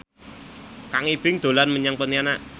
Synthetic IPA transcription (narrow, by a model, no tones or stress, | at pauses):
kaŋib̥ɪŋd̪̥o̤lanməɲaŋpəniana